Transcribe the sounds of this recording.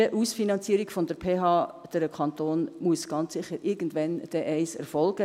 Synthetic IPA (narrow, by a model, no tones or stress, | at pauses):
əʔuːsfinɑnt͡siːəɾikfɔndəɾpʰeːɦɑːd̥əɾkʰɑnt̪oːnmuəsɡ̥ɑnt͡ssɪχəɾʔɪɾɡən̩dʋɛnd̥ɛʔɛɪsɛ̰ɾfɔlɡ̥ə